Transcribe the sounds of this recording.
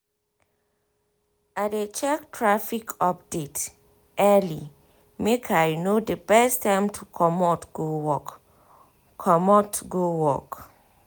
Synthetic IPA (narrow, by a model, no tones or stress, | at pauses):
adet͡ʃɛk̚tʰɹafikʰɔp̚det | ʔɛli | mekʰajnodəbɛstʰːãɪ̃mtʰukʰɔmɔtɡ̥owɔk | kʰɔmɔtɡowɔ̰k